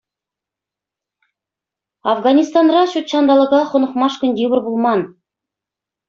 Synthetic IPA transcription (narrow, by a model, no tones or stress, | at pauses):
ɑvɡɑnʲist̪ɑnrɑɕut̪ɕɑnd̪ɑlˠɤ̆ʁɑχŏnɤ̆χmɑʂkʲɵ̆nd̪ʲeβɘ̆rbulˠmɑn